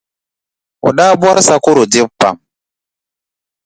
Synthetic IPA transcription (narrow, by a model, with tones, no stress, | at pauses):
ṵ˨ɗa˦bwa˦ɾsa˦ku˦ɾu˨di˦pːa̰˨m